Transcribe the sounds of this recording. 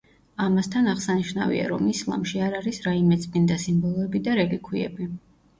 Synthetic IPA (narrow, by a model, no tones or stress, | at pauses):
amast̪ʰanaʁsaniʃna̰vḭa̰ɾɔmislˠa̰mʃiaɾaɾisɾaimɛt̪sʼmind̪asimbɔlˠɔɛbid̪aɾɛlikʰwiɛ̰bi